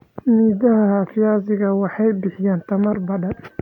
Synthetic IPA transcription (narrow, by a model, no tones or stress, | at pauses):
miːðɐɦɐhaːfɪjaːzɪɣɐwɑħɑjbɪħɪjaːnt̪ʰɐmɐrbɐɖɐn